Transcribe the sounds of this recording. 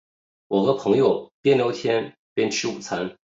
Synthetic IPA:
wɔ˨˩xɤ˧˥pʰɤ˧˥ŋjo˥˧ʊpjɛ˥nljo˧˥ʊt̪ʰjɛ˥n | pjɛ˥nt͡ɕʰi˥u˨˩t͡sʰa˧˥n

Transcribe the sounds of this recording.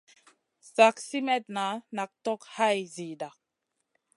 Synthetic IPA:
sa˨ksi˦mɛ˦t̚na˨˦na˨k̚tɔ˦kha˦jzi˨da˨

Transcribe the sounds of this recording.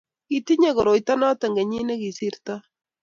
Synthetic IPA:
i˦ti˦ɲe˦˨ɣo˨ɾo˨jta˦nɔ˦tɛ˨ŋɡe˨ɲi˦ne˦ki˨si˦ɾta˦

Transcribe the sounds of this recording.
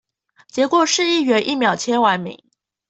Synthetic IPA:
t͡ɕjɛ˨˧˥kwɔ˨˩ʂɻ̩˥˧i˥˩ɥɛ˧˥nʔi˥˩mjɑ˨˩ʊt͡ɕʰjɛ˥nwa˧˥nmḭ˨˩˦

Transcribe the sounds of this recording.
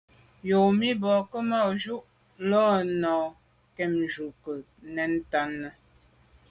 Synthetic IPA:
jo˨mi˦bɔː˨kə˦ma˦˨ʒu˦ʔ | lɔ˦nɔ˨ | kɛ˦˨md͡ʒu˨kə˨ | nɛ˨˦n̩˦ta˦nːə˦

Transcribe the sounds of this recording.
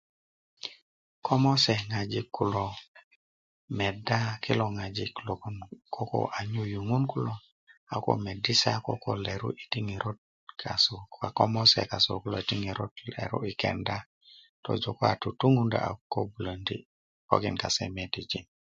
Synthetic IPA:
kʰo˦mo˦se˨ŋa˨d͡ʒi˦kʰːu˦lo˨ | me˨da˦kʰi˦lo˨ŋa˨d͡ʒi˦klo˨ku˦nkʰo˦ko̰ʔa˨ɲu˦ju˨ŋu˦nku˦lo˦ | a˨ko̰˨me˨di˦sa˦ko˦ko˦le˨ɾṵ˦ʔi˨ti˦ŋi˨ɾo˦t̚ | kʰa˨so˨a˨ko˦mo˦sḛ˨ka˨so̰˨ku˦lo̰˨i˨ti˦ŋi˨ɾo˦tlḛ˨ɾṵ˦i˨kḛ˨nda˦ | to̰˨d͡ʒo˨ko˦a̰˨tu˨tu˦ŋu˦nda̰˨a̰˨ko˦bu˨lə˨ndḭ˦ | ko̰˦ki˨nka˨sḛ˨me˨ti˨d͡ʒi˦n

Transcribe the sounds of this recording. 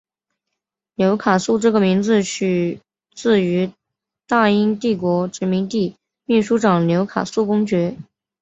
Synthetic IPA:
ljo˧˥ʊkʰa˨˩su˥˧ʈ͡ʂɤ˥˩ɡə˩mi˧˥ŋd͡zɹ̩˧t͡ɕʰy˨˩ | t͡sɹ̩˥˩y˧˥ | t̪a˥˩i˥ŋt̪i˥˩kwɔ˧˥ʈ͡ʂɻ̩˧˥mi˧˥ŋt̪i˥˧ | mi˥˩ʂu˥ʈ͡ʂɑ˨˩ŋljo˧˥ʊkʰa̰˨˩su˥˩kʊ˥ŋt͡ɕɥɛ˧˥

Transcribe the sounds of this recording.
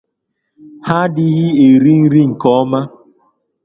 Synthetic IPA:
ha˦dɪ˦ɣɪ˦e˨ɾi˦ŋ̩˦ɾi˦ŋ̩˨kɔ˨˦ma˦

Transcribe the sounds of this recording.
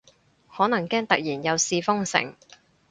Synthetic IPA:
hɔː˨˥nɐ˨˩ŋkɛː˥ŋt̪ɐ˨k̚jiː˨˩njɐ˨˧wsiː˧fʊ˥ŋsɪ̰˨˩ŋ

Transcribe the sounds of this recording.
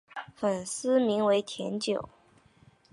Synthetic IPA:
fə˨˩nsɹ̩˥mi˧˥ŋwe˧˥ɪt̪ʰjɛ˧˥nt͡ɕjo˨˩˦ʊ

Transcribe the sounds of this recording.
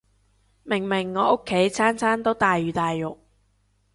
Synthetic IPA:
mɪ˨˩ŋmɪ˨˩ŋːɔː˨˧ʔʊ˥kʰːe˨˥jt͡sʰaː˥nt͡sʰaː˥nt̪o˥wt̪aː˨jɥyː˨t̪aː˨jːʊ˨k̚

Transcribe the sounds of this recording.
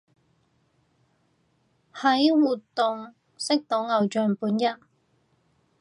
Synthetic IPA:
hɐ˨˥jwuː˨t̪ːʊ˨ŋ | sɪ˥k̚t̪o˨˥ŋɐ˨˧wt͡ʃœː˨˩ŋpuː˨˥njɐ˥t̚

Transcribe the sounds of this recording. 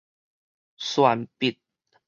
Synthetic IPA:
swa˧npi˨t̪̚

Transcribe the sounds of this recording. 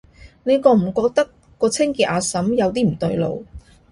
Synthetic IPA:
ne˨˧jkɔː˧m̩˨˩kɔː˧k̚t̪ɐ˥kːɔː˧t͡sʰɪ˥ŋkiː˧t̪̚ʔaː˧sɐ˨˥mjɐ˨˧wt̪iː˥m̩˨˩t̪ɵ˧ɥlo̰˨˧w

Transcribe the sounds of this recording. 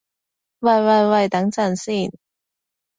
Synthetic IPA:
wɐ˨˩jwɐ˨jwɐ˨˩jt̪ɐ˨˧˥ŋt͡sɐ˨˩nsiː˥˩n

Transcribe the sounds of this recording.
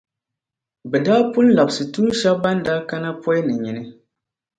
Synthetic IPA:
bɛ˨daː˦pʊ˦n̩˦la˨bsɨ˨tu˦n˦ʃɛ˦bba˦n˦daː˦ka˦na˦pɔ˦jnɨ˨ɲi˨nɨ˦

